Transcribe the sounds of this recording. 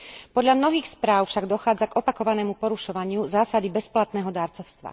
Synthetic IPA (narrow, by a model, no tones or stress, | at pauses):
pɔd̪ʎamnɔɦiːxspɾaːʊfʃaɡd̪ɔxaːd͡zaɡɔpakɔʋanɛːmupɔɾuʃɔʋaɲɪuzaːsad̪ibɛsplat̪nɛːɦɔd̪aːɾt͡sɔʊst̪ʋa̰